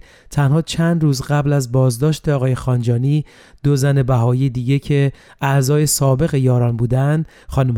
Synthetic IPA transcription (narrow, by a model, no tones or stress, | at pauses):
t̪ʰænhɒːt͡ʃʰænd̪rɾuːzɢæblæzbɒːzd̪ɒːʃt̪eɒːɣɒːje̞xɒːnd͡ʒɒːniː | d̪̥ozæne̞bæɦɒːiːjed̪iːɟe̞cʰe̞ | æzɒːje̞sɒːbe̞ɣe̞jɒːɾɒːnbuːd̪ænd̪ | xɒːnuːm